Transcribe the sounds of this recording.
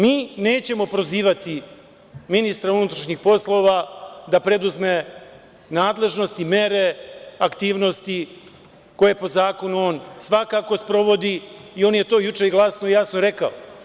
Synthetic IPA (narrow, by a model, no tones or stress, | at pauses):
miːne̞ːt͡ɕe̞mo̞pɾo̞ziːʋat̪i | minist̪ɾaunut̪ɾaʃɲixpo̞slˠo̞ːʋad̪apɾe̞d̪uzme̞ | naːd̪le̞ʒno̞st̪ime̞ɾe̞akt̪iːʋno̞st̪i | ko̞je̞po̞zaːko̞nuo̞ːnsʋakako̞spɾo̞ʋo̞d̪iːo̞ːnje̞t̪o̞ːjut͡ʂe̞iɡlˠasnoijasnoɾe̞kao